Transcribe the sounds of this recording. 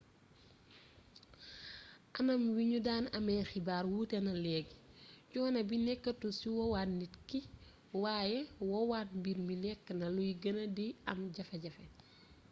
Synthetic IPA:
ʔɐnɐmwiɲudaːnɐmɛxibaːɾwuːtɛnɐlɛːɡcɔːnɐbinɛkːətusiwɔwaːtnitki | waːjɛwɔwaːt̚mbiɾminɛkːnɐlujɡɐnɐdiɐmɟɐfɛɟɐfɛ

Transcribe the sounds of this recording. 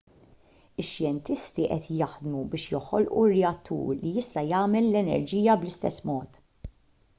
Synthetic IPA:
ɪʃːjɛnt̪ɪst̪iʔɛt̪jɐħd̪mubɪːʃjɔħɔlʔurːɛɐt̪ːṵːɾlijɪst̪ɐjɐːmɛlːɛnɛ̰ɾd͡ʒiːjɐblɪst̪ɛsːmɔːt̪

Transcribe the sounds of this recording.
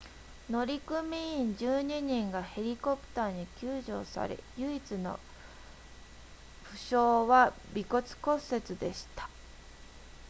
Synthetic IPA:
no̞ɾʲikɯmʲiĩɲd͡ʑɨːɲ̟iɲ̟ĩŋɡahe̞ɾʲiko̞pɯ̥t̪aːɲ̟ikʲɨːʑo̞̰ːsa̰ɾe̞̰jɯ̟it͡sɨno̞̰ | ɸɯ̟ɕo̞ːβa | bʲikot͡sɨ̥ko̞se̞t͡sɨd̪e̞ɕi̥t̪ḁ

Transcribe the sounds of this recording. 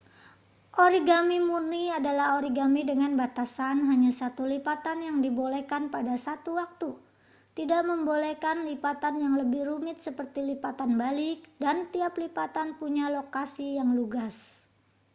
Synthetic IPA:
ʔoɾiɡamimurniadalaɦoɾiɡamidəŋanbat̪asanɦaɲasat̪ulipat̪anjaŋdibolɛkanpadasat̪uwak̚t̪u | t̪idaʔməmbolekanlipat̪anjaŋləbɪhrumɪt̪̚səpərt̪ilipat̪anbalɪk̚dant̪iaplipat̪anpuɲalokasijaŋluɡas

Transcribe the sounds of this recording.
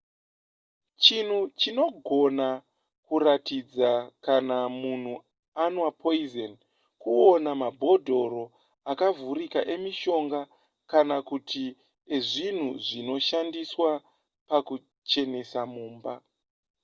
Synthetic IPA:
t͡ʃin̤ut͡ʃino̞ɡʱo̞na | kuratid͡zakanamun̤u | anwapʰoizen | kuo̞namabʱo̞dʱo̞ɾo̞ | akavurikaʔe̞miʃo̞ŋɡa | kanakutʰi | eʐin̤uʐino̞ʃandiswa | paku | t͡ʃe̞ne̞samuːmba

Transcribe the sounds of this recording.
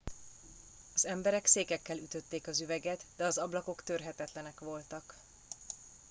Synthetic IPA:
ɒzɛmbɛɾɛkseːkɛkːɛlyt̪ø̞t̪ːeːkɒzyvɛɡɛt̪d̪ɛɒzɒblɒko̞kt̪ørɦɛt̪ɛt̪lɛnɛkʋo̞lt̪ɒk

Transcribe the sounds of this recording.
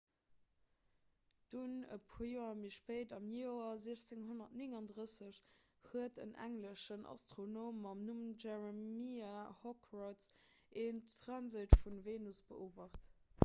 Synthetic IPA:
d̥unə̰pʰujoːɐmiʃpəɪdɑmnjoɐziəɕt͡seŋhonɐtnɪŋɑndʁəsəɕhuətə̰nʔæ̰ŋləʃənʔɑ̰stʁonoːmɑmnumʒɛʁəmiahɔkʰrɔts | ʔeːnʁɑnzətfunveːnusb̥əʔoːbɐχt

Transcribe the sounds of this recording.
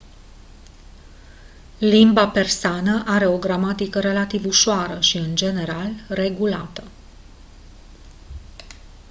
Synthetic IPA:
limbape̞rsanəʔaɾe̞o̞ɡɾamat̪ikəɾe̞lat̪ivuʃoaɾəʃiɨnd͡ʒe̞ne̞ɾalre̞ɡulat̪ə

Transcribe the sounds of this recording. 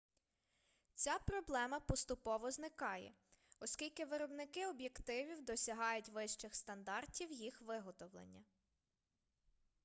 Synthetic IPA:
t͡sʲapɾɔblˠɛmɐpɔst̪ʊpɔʋɔznɪkɑjɛ̰ | ɔskʲilʲkɪʋɪɾɔbnɪkɪɔbjekt̪ɪʋʲiwd̪ɔsʲɐɦɑjʊtʲʋɪʃt͡ʃɪxst̪ɐnd̪ɑrtʲiwjixʋɪɦɔt̪ɔwlˠḛnʲːɐ

